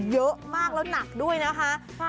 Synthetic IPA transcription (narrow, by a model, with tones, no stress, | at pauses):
zəː˨˦maː˧˩k̚lo˨˦na˨˩k̚ɗu˧əjnaː˨˦ɦaː˧˨